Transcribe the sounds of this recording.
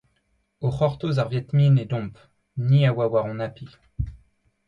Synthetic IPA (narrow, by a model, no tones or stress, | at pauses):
oχɔʁt̪ozaʁvjɛt̪minɛd̪ɔ̃p | niawawaʁɔ̃napi